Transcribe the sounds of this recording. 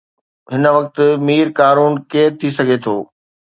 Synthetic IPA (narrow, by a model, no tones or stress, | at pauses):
ɦɪnəʋɐk̚t̪̆miːɾkaːɾuːnkeːɾt̪ʰisɐɡʱet̪ʰoː